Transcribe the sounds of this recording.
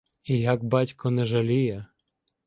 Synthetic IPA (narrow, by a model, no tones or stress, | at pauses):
ijaɡ̚batʲkɔnɛʒalʲijɛ